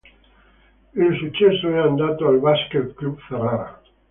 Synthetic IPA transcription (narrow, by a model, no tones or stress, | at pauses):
elsut͡ʃesoeand̪at̪oalβasket̪klupferaɾa̰